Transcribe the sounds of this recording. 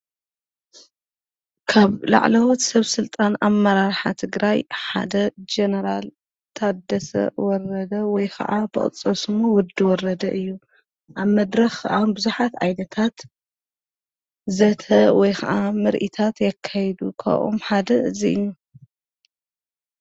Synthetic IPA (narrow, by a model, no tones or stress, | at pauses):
kʰaβla̰ʕlɐwot̪sɐβsɨlt̪ʼanamːɐɾaɾħa̰t̪ʰɨɡɾajħa̰d̪ɐd͡ʒenɐɾal | t̪ʰad̪ːɐsɐ̰wɔɾɐd̪ɐwɔjkʰɐ̰ʔabɨ̰χʼɨ̰t͡sʼɐsɨmowɔd̪ːiwɔɾɐd̪ɐʔɨjːu | ʔaβmɐd̪ɾɐxʔanbɨzuħat̪ʕajd̪ɐt̪ʰat̪ | zɐt̪ʰɐwɔjxʰɐʔamɨɾʔit̪ʰat̪jɛkʰːajɛd̪ukʰa̰ʔo̰mħad̪ɐɨziʔɨ̰jːu